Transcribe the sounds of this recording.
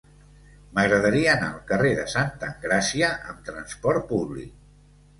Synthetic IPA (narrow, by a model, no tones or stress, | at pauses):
məɣɾəðəɾiəːna̰əlˠkəreðəsant̪əŋɡɾasiəʔə̰mt̪ɾənspɔɾt̪̚puβlḭk̚